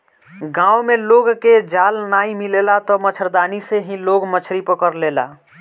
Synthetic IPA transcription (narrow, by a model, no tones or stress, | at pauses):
ɡãwmeloɡked͡ʒalnaĩmilelat̪ɔmət͡ʃʰəɾd̪aniseɦĩloɡmət͡ʃʰɾipəkəɾlela̰